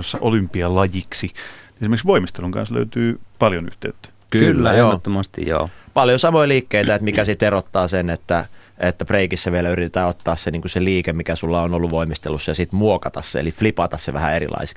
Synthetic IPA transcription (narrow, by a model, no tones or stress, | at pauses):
osːɑʔolympiɑlɑjiksiniesimerksʋoimist̪eluŋkɑ̰nslø̰yt̪yːpɑljony̰ht̪eyt̪ːæ̥ | kylːæjoːot̪ːomɑst̪ḭjjo̰ːpɑljosɑmoiliːkːeit̪æet̪mikæsit̪erot̪ːɑːsenet̪ːæ | et̪ːæpreikisːæʋielæyrit̪et̪ːæːot̪ːɑːsseniːŋkuseliːkemikæsulːɑonolːuʋoimist̪elusːɑjɑsit̪muokɑt̪ɑsːeḛliflipɑt̪ɑsseʋæ̰hæ̰eɾḭlʔɑ̰ise̥k